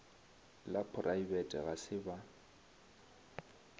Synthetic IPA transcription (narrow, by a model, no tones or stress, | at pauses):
lapʰʊrʔaibɛtʼɛ̰ɣasɪba